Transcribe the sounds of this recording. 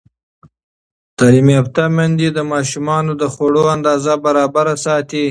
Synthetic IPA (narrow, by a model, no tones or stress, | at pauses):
t̪ɑlimiapt̪amand̪id̪əmɑːʃumɑːnod̪əxoɽoand̪ɑːzabaɾɑbaɾasɑːt̪i